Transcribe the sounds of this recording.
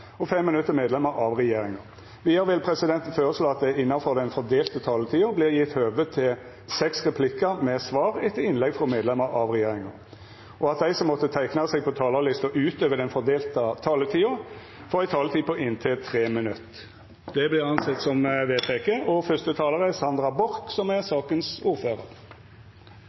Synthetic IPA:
ɔfɛmːɪnʉt̪ːəɾmeːd̪lɛməɾʔɑʋɾɛjeːɾɪŋɑ | ʋɪhɑɾʋɪlpʰɾɛsɪd̪ɛnt̪n̩føːɾəsloːɑt̪̚d̪ɛɪnːɑfɔʁd̪ɛnfɔd̪eːlt̪ət̪ʰɑːlət̪ʰiːʊblɪɾjɪt̪høːʋət̪ʰːɪl | sɛksʁɛpʰlɪkːəɾmɛsʋɑːɾɛt̪ʰːəɪnlɛɡfʁɔmeːd̪lɛməɾɑʋʁɛjeːɾɪŋɑ | ɔɑt̪̚d̪æɪsɔmːɔt̪ːət̪ʰæɪknɑsɛɡ̚pʰɔt̪ʰɑːləlɪst̪əʔʉːt̪øːʋəd̪ɛnfɔʁd̪eːlt̪ət̪ʰɑːlət̪ʰiːʊ | fɔɾɪt̪ʰɑːlət̪ʰiːpɔʔɪnt̪ʰɪlt̪ʰʁeːmɪnʉt̪ː | d̪̥ɛblɪʁɑnsɛt̪ːsɔmʋeːt̪ʰɛkəʔɔfœst̪ət̪ʰɑːləʁɛsɑnd̪ɾɑbɔɾksɔmɛsɑːkənsuːʁføːʁə̰ʁ

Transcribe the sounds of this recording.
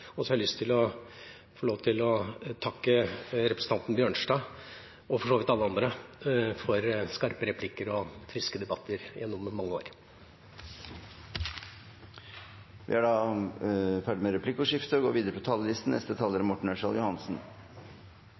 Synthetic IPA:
ɔsɔhɑɾɪlʏst̪ʰɪlɔ | foːloːʋt̪ʰɪlɔt̪ʰɑkːəɾɛpɾəsn̩t̪ɑnt̪n̩bjøːɳʂɖɑː | ɔfɔʂoːʋɪt̪ɑlːəɑnd̪ɾəfɔɾskɑɾpəɾɛpʰlɪkːəɾɔfɾɪskəd̪ɛbɑt̪ʰːəɾj̰jɛnːɔmːɑŋːəoːɾ | ʋʔɪ̰hɑɖɑː | fæːɖɪmeɾɛpʰlɪkːɔʂɪft̪əɔɡo̰ːʋiːd̪əɾəpʰɔt̪ʰɑːlːəlɪst̪n̩ɛst̪ət̪ʰɑːləɾmɔʈɳ̩ɛʂɑljʊhɑnsn̩

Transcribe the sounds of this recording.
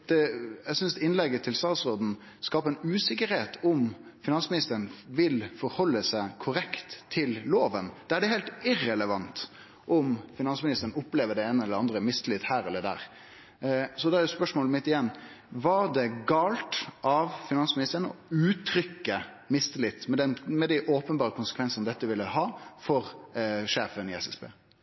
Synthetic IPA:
d̪̥ɛæsʏnsd̪ɛɪnlɛɡːət̪ʰɪlst̪ɑːt̪sɾoːd̪n̩ | skɑːpəɾɛnʉːsɪkəɾheːt̪ʰɔmfɪnɑnsmɪnɪst̪əɾən̩ʋɪlfɔɾhɔlːəsæɪkʰʊɾɛkt̪ʰːɪlloːʋənd̪̥ɛæɖɛheːlt̪ɪrɛləʋɑnt̪ | ʔɔmfɪnɑnsmɪnɪst̪əɾən̩ʊpːleːʋəɖɛeːnəɛlːəɑnd̪ɾəmɪst̪əlɪt̪hæːɾɛlːəd̪æ̰ːɾ | sɔd̪ɛæɾjʊspœʂmoːləmɪt̪ːɪjɛnː | ʋɑd̪ɛɡɑːlt̪ʔɑʋfɪnɑnsmɪnɪst̪əɾənɔʉːt̪ʰɾʏkːə | mɪst̪əlɪt̪ːmɛd̪ɛnmɛd̪æɪʔoːpənbɑːɾəkʰʊnsə̥kʰʋɛnsnəd̪ɛt̪ːəʋɪlːəhɑːfɔɾʂeːfənɪɛsɛsbḛː

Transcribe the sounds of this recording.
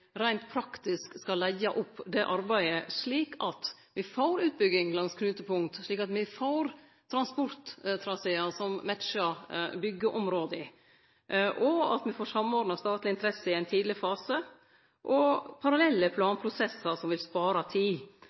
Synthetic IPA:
ɾæɪnt̪̚pʰɾɑkt̪ɪskskɑlːæɪɑʔɔpːd̪ɛʔɑɾbæɪəʂɭiːkɑt̪ | ʋɪfoːɾʉːt̪̚bʏɡɪŋlɑŋskʰnʉːt̪əpʊŋt̪ʂɭiːkɑt̪mɪfoːɾ | t̪ʰɾɑnspɔɾt̪t̪ʰɾɑsɛɑsɔmmæt̪t͡ʃəɾbʏɡːəʔɔmɾoːd̪əɪ | ʔɔɑ̰t̪mɪfoːʂɑmːɔːɖnɑst̪ɑːt̪lɪɪnt̪əɾɛsəɪæɪnt̪ʰiːd̪lɪɾəfɑːsə | ʔɔpʰɑɾɑlɛlːəpʰlɑːnpʰɾʊsɛsːəɾsɔmʋɪlspɑːɾɑt̪ʰiː

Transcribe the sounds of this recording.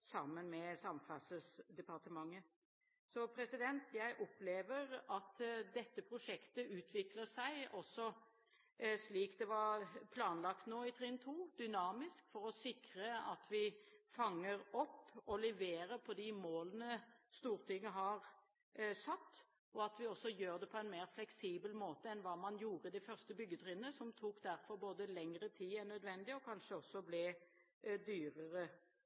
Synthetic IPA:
sɑmːənmɛsɑmfɑsəsd̪ɛpɑʁt̪əmɑŋːə | sɔpʰɾɛsɪd̪ɛnt̪jæɪʔɔpleːʋəɾɑt̪d̪ɛt̪ːəpʰɾʊʂɛkt̪əʉːt̪ʰʋɪkləsæɪɔsːɔ | sliːkd̪ɛʋɑɾpʰlɑːnlɑkt̪noːɪt̪ʰɾɛənt̪ʰuːd̪ʏnɑːmɪskfɔɾɔsɪkɾəɑt̪ʋɪfɑŋːəɾɔpːɔlɛʋeːɾəɾpʰɔd̪ɪmoːlənəst̪uːʁt̪ʰɪŋːəɦɑʁ | sɑt̪ː | ɔɑt̪ʋɪɔsːɔjøːʁd̪ɛpʰɔɛnmeːʁflɛksiːbəlmoːt̪əɛnʋɑːmɑnjuːʁəd̪ɛɪfœʁst̪əbʏɡːət̪ʰʁɪnəsɔmt̪ʰuːkd̪æɾfɔɾboːd̪əlɛŋɾət̪ʰiːɛnœd̪ʋɛnd̪ɪɔkʰɑnʂəɔsːɔblɛ | d̪yːʁəʁə

